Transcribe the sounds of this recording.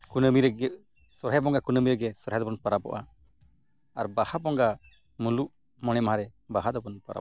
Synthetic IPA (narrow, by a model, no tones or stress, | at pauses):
kunəmiɾɛɡɛ | sɔɾajbɔŋɡakunəmiɾɛɡɛsɔɾɦajd̪ɔbɔnpaɾabɔ̰ʔa | aɾbahabɔŋɡa | muluʔ | mɔnɛmaɦaɾɛbaɦad̪ɔbɔnpaɾa̰